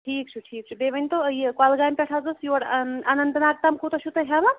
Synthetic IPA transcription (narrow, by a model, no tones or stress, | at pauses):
ʈʰiːk̚t͡ʃʰuʈʰiːk̚t͡ʃʰubeʋɐnʲt̪ojikalɡaːjmpʲeʈʰazosjoːɽanɐnt̪ɐnaːk̚t̪ɐmkʰut̪ʃʰut̪ɐɦʲamɐ